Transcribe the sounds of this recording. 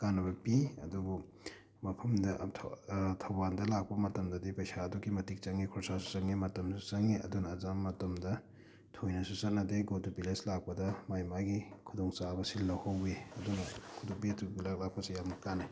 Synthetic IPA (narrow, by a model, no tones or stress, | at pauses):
kanːɐbɐpiɐ̰duɡu | mɐpʰɐmdɐtʰtʰɐwbandɐlak̚pɐmɐtɐmdɐdipɐjsaːduɡimɐtik̚t͡ʃɐŋːikʰɔɾsasu̥sɐŋimɐtɐmsu̥sɐŋiɐ̰dunɐːzamːɐtɐmdɐ | tʰojnɐsusɐk̚nɐdeɡotupileslak̚pɐdɐmajmajɡikʰudɔŋsabɐsilnɐwhawbeɐdunɐkʰudɔŋpitʰuɡilak̚lak̚pɐsijamnɐkana